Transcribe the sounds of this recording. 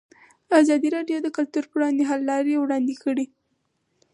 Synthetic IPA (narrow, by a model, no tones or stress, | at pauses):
azɑd̪iɾɑɖjod̪əkʊlt̪uɾpəwɽɑnd̪eɦalːɑɾewɽɑnd̪ekʰəɽi